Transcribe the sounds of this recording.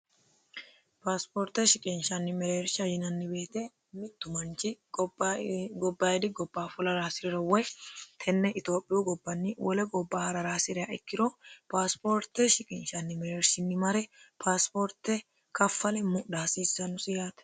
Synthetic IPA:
paːspoːɾt̪ːɛʃɪkʼɪnʃɐnːɪmɛɾeːɾʃɐjɪnɐnːɪbe̞ːt̪e | mɪt̪ːʊmɐnt͡ʃɪ | ɡɔbːaːjɛd̪ɪɡɔbːaːfʊlɐɾaːsɪɾɪɾɐwɔjt̪ʰɛnːɛʔɪt̪oːpʼːɪjuɡɔbːɐnːɪwɔlɛɡɔbːaːhɐɾɐɾaːsɪɾɪjaʔɛkːɪɾoːpaːspoːɾt̪ːɛʃɪkʼɪnʃɐnːɪmɛɾeːɾsɪnːɪmɐɾɛpʰaːspoːɾt̪ːɛ | kɐfːɐlɛmʊɗaːsiːsːɐnʊsɪjaːt̪ɛ̥

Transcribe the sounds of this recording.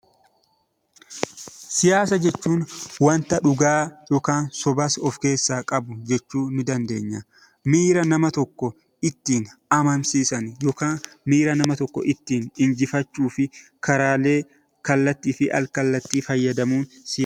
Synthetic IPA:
sɪjaːsɐd͡ʒɛt͡ʃːuːnwɐnt̪ɐᶑʊɡaːjoːkaːnsɔbɐsɔfke̞ːsːaːkʼɐbʊd͡ʒɛt͡ʃːuːnɪd̪ɐnd̪e̞̰ːɲːɐ | miːɾɐnɐmɐt̪ɔkːɔ | ɪt̪ːiːnɐmɐmsiːsɐnjoːkaːmiːɾɐnɐmɐt̪ɔkːɔ̰ʔɪt̪ːiːnɪnd͡ʒɪfɐt͡ʃːuːfɪkɐɾaːle̞ː | kɐlːɐt̪ːiːfɪʔɐ̰lkɐlːɐt̪ːiːfɐjːɐd̪ɐmuːnsɪj

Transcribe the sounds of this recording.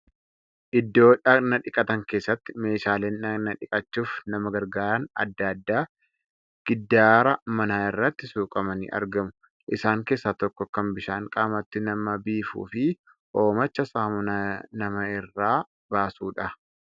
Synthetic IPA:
ʔɪd̪ːo̞ːᶑɐnɐᶑɪkʼɐt̪ɐŋke̞ːsːɐt̪ːɪ̥me̞ːʃaːle̞ːnɐnɐᶑɪkʼɐt͡ʃːuːfnɐmɐɡɐɾɡaːɾɐnɐ̰d̪ːad̪ːaː | ɡ̥ɪd̪ːaːɾɐmɐnaːɪrːɐt̪ːɪsuːkʼɐmɐnḭːʔɐ̰ɾɡɐmʊ | ʔɪsaːŋke̞ːsːaːt̪ɔkːɔkɐmbɪʃaːŋkʼaːmɐt̪ːɪnɐmɐbiːfṵːfɪ | ʔoːmɐt͡ʃːɐsaːmʊnɐnɐmɐɪrːaː | baːsuːᶑɐ

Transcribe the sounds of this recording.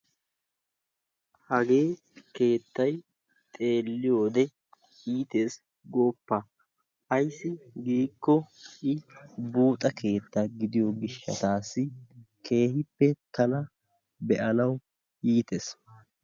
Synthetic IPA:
hɐɡe̞ː | ke̞ːt̪ːɐj | t̪ʼe̞ːlːɪjo̞ːd̪ɛ | iːt̪e̞ːs | ɡoːpːa | ʔɐjsːɪɡiːkːɔʔɪbuːt̪ʼɐkʰe̞ːt̪ːaɡɪd̪ɪjoɡɪʃːɐ̰t̪aːsːɪ | kʰe̞ːhɪpːɛt̪ɐnɐ | bɛʔɐnɐw | jiːt̪es

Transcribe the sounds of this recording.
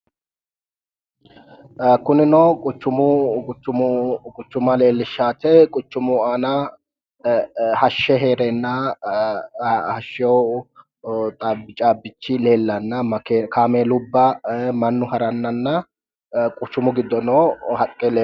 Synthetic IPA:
kʊnɪnokʼʊt͡ʃːʊmʊʊt͡ʃːʊmʊkʼʊt͡ʃːʊmɐle̞ːlːɪʃːaːt̪ɛkʼʊt͡ʃːʊmʊaːnɐ | hɐʃːɛɦeːɾeːnːɐ | hɐʃːɪjɔw | t̪ʼaːbːɪt͡ʃʼaːbːɪt͡ʃːɪle̞ːlːɐnːɐmɐkekʰaːmelʊbːɐmɐnːʊhɐɾɐnːɐnːɐ | kʼʊt͡ʃːʊmʊɡɪd̪ːɔnoːhɐkʼɛle

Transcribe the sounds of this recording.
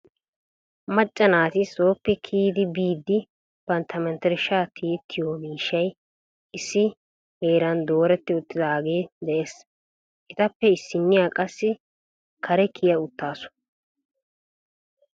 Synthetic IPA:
mɐt͡ʃʼːɐnaːt̪ɪsoːpːɛkʰiːd̪ɪbiːd̪ːɪ | bɐnt̪ʰɐmɛnt̪ɛɾɪʃaːt̪ʰiːt̪ʰːɪjoːmiːʃːɐj | ʔɪsːɪ | heːɾɐnd̪o̞ːɾɛt̪ːɪʊt̪ːɪd̪ɐaːɡeːd̪ɛʔeːs | ʔɪt̪ɐpːɛɪsːɪnːɪjaːkʼɐsːɪ | kʰɐɾɛkʰɪjɐʊt̪ːaːsʊ̥

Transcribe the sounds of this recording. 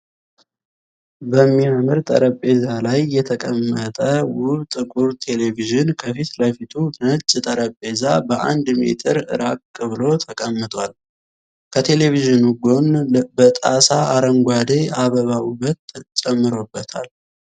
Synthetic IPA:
bəmːiamɨɾt̪ʼə̰ɾəpʼːe̞zalajːɛt̪ʰəkʼəmːət̪ʼəwʊβt̪ʼɨkʼuɾt̪ʰe̞le̞viʒɨnkʰəfit̪ləfit̪ʰunət͡ʃʼːt̪ʼəɾəpʼːe̞zabəʔa̰nd̪mḛt̪ʰʼɨɾɨ̰ɾakkʼːɨβɨlo̞t̪ʰəkʼəmːɨt̪ʼwal | kʰət̪ʰe̞le̞viʒɨnuɡo̞nbət̪ʼasaʔaɾəŋɡʷwad̪eaβəβawuβət̪ːt͡ʃʼɛmːɨɾo̞bːət̪ʰa̰l

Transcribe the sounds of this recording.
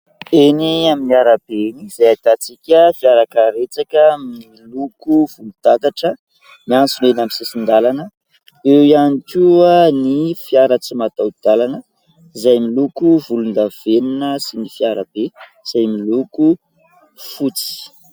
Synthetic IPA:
eniaminiaɾab̥enizajat̪at͡sikʲəfiaɾakəɾet͡sakəmmiilukuv̥ulut̪ak̪aʈ͡ʂə | miant͡sunenamisisind̪alanə | ewjanikuənifiaɾət͡simat̪awd̪̥alanə | izajmilukuvulund̪av̥eninəsinifiaɾab̥e | z̥ajmiluku | fut͡si̥

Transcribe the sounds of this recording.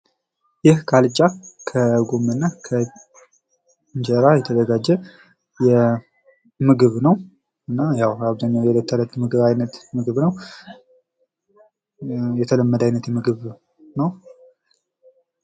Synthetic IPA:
jɪhkʰalɨt͡ʃʼːakʰəɡomɨnːakʰə | ɲd͡ʒəɾajɛt̪ʰəd̪əɡad͡ʒːɛ | jɛ | mɨɡɨβnəw | ɨnːajawaβzaɲːawjɛd̪ət̪ʰːələt̪mɨɡɨβajnət̪mɨɡɨβnəw | jɛt̪ʰələmːəd̪ajnət̪jɛmɨɡɨβ | nəw

